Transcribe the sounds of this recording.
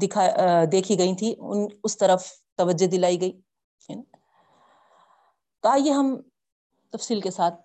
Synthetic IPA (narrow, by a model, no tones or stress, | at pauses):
d̪ɪkʰad̪eːkʰiɡɐĩt̪ʰiʊ̰nʊst̪ɐɾəf | t̪ɐʋəd͡ʒed̪ɪlaːiɡɐiː | n | t̪oaːjeɦɐm | t̪ɐfsiːlkesaːt̪̚ʰ